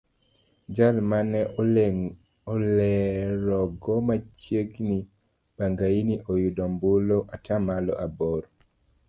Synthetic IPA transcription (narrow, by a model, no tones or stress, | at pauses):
d͡ʒalmanɛ | ɔlɛɾɔɡɔmat͡ʃjeɡni | b̥aŋɡainiʔojudɔmbuloʔatʰamalɔ̰ʔabɔɾɔ